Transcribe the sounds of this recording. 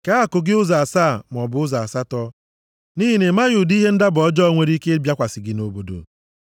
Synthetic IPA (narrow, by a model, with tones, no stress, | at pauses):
ka˦a˨kʊ˨ɡɪ˦ʊ˦za˨saː˦˨m˨ɔ˨bʊ˨ʊ˦za˨sa˦tɔ˦ | ni˦ɦi˦ne˨ma˦ju˨di˦ɦe˦n̩˦da˦bʊ˨ɔ˦d͡ʒɔ˦ŋʷe˨ɾi˦ke˦bja˦kʷa˨sɪ˨ɡɪ˨no˨bo˨do̰˨